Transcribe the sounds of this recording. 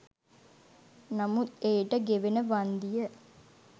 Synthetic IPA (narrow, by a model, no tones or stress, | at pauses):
namut̪eːʈəɡeʋenəʋand̪ijə